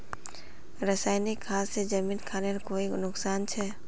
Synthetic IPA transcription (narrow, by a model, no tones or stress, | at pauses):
ɾəsaːɪnikʰːaːsːed͡ʒɐmiːnkʰaːnekoːinʊksaːnt͡ʃʰɛː